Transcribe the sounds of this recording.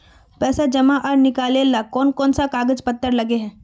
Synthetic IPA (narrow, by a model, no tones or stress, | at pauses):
pɛːsad͡ʒɐmaʔaɾnɪkaːlelakɔːnkɔːnsakaːɡəd͡ʒpɐt̪ːəɾlɐɡeɦɛ̃ː